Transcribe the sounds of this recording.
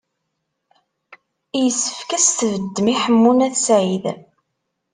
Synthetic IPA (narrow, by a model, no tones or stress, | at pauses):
jəsːə̥fkæst̪vəd̪ːmiħəmːunæθsʕið